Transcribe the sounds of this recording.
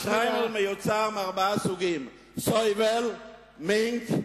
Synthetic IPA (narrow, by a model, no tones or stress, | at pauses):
ʃʁaɪməlmɪjot͡saʁmaʁbasuɡim | sɔvɛl | meŋt